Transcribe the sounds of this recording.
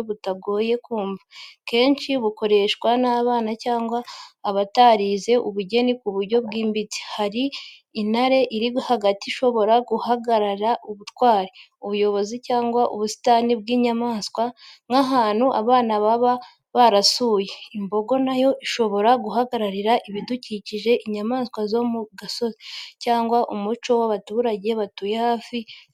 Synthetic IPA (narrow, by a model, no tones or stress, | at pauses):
βutaɡo̞ːje̞kuːɱvake̞ːnʃiβuko̞ɾe̞ʃkwanaːβaːnacaːŋɡwaːβataɾize̞ʔuβuɟe̞nikuβuɾɟo̞βɡiːmbit͡si̥haɾiː | naɾe̞ʔiɾihaɡatiʃo̞βo̞ɾaɡuhaɡaɾaɾaʔuβutwaːɾiuβujo̞βo̞zicaːŋɡwaʔuβusi̥tanibɡiːɲamaːskwaŋaɦaːn̥huʔa̰βaːnaβaβa | βaɾasuːje̞imbo̞ɡo̞najo̞ʔiʃo̞βo̞ɾaɡuɦaɡaɾaɾiɾaʔiβiduciciʒe̞ʔiɲamaːskwazo̞muɡaso̞zicaːŋɡwaʔumut͡ʃo̞waβatuːɾaɟe̞βatujehaːfi